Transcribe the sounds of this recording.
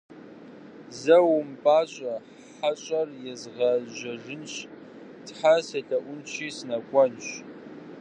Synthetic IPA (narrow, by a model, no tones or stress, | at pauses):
zɐwʊmpʼaːɕʼɐ | ħaɕʼɐrjɛzʁɐʒɐʒɨnɕ | tħasɐɬɐʔʷʊnt͡ʃʰiːsnɐkʷʼɔnɕ